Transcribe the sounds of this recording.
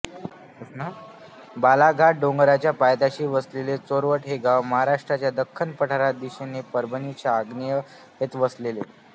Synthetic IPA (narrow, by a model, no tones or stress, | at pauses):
snə | balaɡʱaʈ̚ɖoŋɡəɾat͡ɕjapajt̪aɕiːʋəslelet͡soɾʋəʈɦeɡaʋməɦaɾaʂʈɾat͡ɕjad̪əkʰːənpəʈʰaɾad̪iɕenepəɾbʱənit͡ɕaːɡnijə | ɦet̪ʋəslelḛ